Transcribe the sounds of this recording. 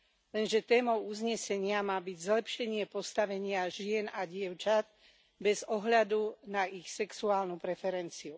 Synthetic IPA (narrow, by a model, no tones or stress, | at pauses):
lɛnʒɛt̪ɛːmɔʊuzɲɛsɛɲɪamaːbiɟzlɛpʃɛɲɪɛpɔst̪aʋɛɲɪaʒɪɛnaɟɪɛʊt͡ʃad̪̚ | bɛzɔɦʎad̪unaʔixsɛksuaːlnupɾɛfɛɾɛnt͡siu